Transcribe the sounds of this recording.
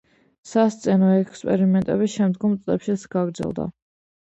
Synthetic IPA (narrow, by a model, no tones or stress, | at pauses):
sast̪sʼɛnɔɛkspʼɛɾimɛnt̪ʼɛβiʃɛmd̪ɡɔmt̪sʼlɛpʃit̪sɡ̥aɡɾd̪zɛ̰lˠd̪a̰